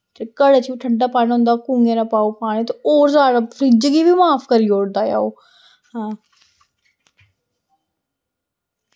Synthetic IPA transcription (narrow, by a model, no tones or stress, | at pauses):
t̪ekəɽet͡ʃiːʈʰəɖaːpaːnɦʊ̃ːnd̪aːkuːŋɡẽːnaːpaːopaːɽ̃iːt̪eoːɾzaːɽaːpʰɾid͡ʒɡiːbiːmaːpʰkəɾiːoːɽd̪aːja̰ːoː | hãː